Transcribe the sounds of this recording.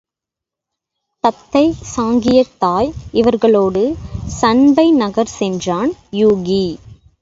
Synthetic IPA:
t̪ɐt̪ːɐɪsaːŋɡɪjɐt̪ːaːjɪʋɐɾɣɐɭoːɽɯsɐnbɐɪnɐɣɐɾsɛndraːnjuːɣi

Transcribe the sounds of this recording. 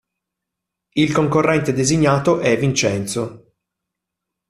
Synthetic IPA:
ilkoŋkorːɛnt̪ed̪eziɲːaːt̪oʔɛvint͡ʃɛnt̪so

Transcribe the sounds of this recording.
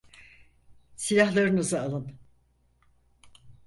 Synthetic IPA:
silʲahlˠaɾɯnɯzɯalˠɯn

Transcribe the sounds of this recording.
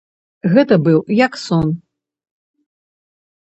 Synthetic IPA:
ɣɛt̪ɐbɨwjaksɔn

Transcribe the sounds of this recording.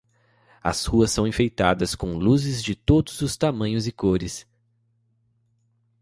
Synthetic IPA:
ɐ̰shuɐsːɐ̃w̃ẽfejt̪ad̪ɐskõluzɪzd͡ʒɪt̪od̪ʊzʊst̪amɐ̃ɲʊzɪkoɾɪs

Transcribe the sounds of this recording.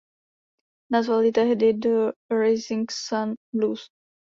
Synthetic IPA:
nazvaljɪt̪ɛɦdɪd̪əɾɛjzɪŋksanluːs

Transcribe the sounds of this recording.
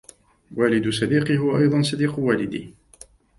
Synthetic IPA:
waːlɪd̪sɑd̪iːqɨɦʊwaʔɑjd̪ˤɑnsˤɑd̪iːqʊwaːlɪd̪ḭː

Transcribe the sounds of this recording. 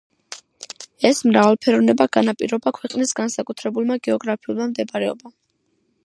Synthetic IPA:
ɛsmɾavalˠpʰɛɾɔvnɛbaɡ̥anapʼḭɾɔbakʰwɛqʼnisɡansakʼut̪ʰɾɛbulˠmaɡɛɔɡɾapʰiulˠmamd̪ɛbaɾɛɔ̰ba

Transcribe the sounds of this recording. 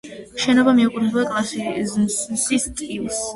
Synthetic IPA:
ʃɛnɔbamiukʼuɾʰɛbakʼlˠasizsmsist̪ʼilˠs

